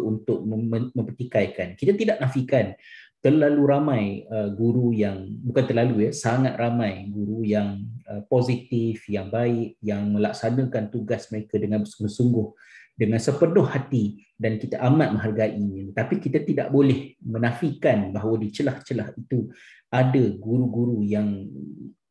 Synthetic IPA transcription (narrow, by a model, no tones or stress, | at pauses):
unt̪ʊk̚əmə̃mpət̪ikajkankit̪at̪idaʔnafikant̪ərlaluɾamãjəɡuɾujaŋbukant̪ərlalujəsaŋat̪̚ramãjɡuɾujaŋəpozit̪ifjaŋbaɪʔ̚jaŋmə̃lak̚sanə̃kant̪uɡasməɾekadəŋanbərsuŋɡʊhsuŋɡʊh | dəŋãnsəpənʊhːat̪i | dankit̪aʔamat̪̚mə̃ɦarɡaʔiɲãt̪apikit̪at̪ida̰ʔbolɛhmə̃nãfikanbaɦawadit͡ʃəlaht͡ʃəlahit̪u | adəɡuɾuɡuɾujaŋ